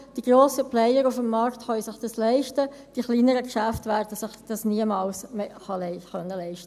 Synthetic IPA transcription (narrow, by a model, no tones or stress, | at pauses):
d̥iɡ̥ɾoːsəplɛjəɾufəmːɑɾktχœʏsɪχd̥ɑslɛɪʃtə | d̥iχliːnəɾəkʃæftvæːɾdəsɪχd̥ɑsniəmɑːlsmeχɑlɛɪχœnːəlɛɪʃtə